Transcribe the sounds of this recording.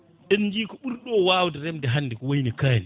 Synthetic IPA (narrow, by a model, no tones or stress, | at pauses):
ɗɛnːd͡ʒiːkɔɓuɾɗɔːwaːwdɛɾɛmdɛɦanːdikɔwajnikani